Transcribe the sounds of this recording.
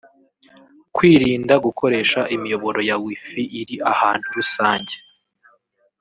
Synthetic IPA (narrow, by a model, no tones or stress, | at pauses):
kwiːɾiːndaɡukʰo̞ɾe̞ːʃaʔimijo̞βo̞ɾo̞jawifiʔiɾiahaːn̥huɾusaːɲɟe